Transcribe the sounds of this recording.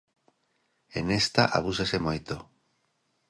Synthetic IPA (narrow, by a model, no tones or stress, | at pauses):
ḛnest̪aʔaβ̞usesemojt̪o